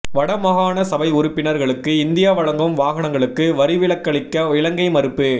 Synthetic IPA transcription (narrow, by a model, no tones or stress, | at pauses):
ʋɐɽɐmɐɣaːnɐsɐbɐɪʊɾɯpːɪnɐɾɣɐɭɯkːɯɪnd̪ɪjaːʋɐɻɐŋɡɯmʋaːɣɐɳɐŋɡɐɭɯkːɯʋɐɾɪʋɪɭɐkːɐɭɪkːɐʋɪɭɐŋɡɐɪmɐɾɯpːɯ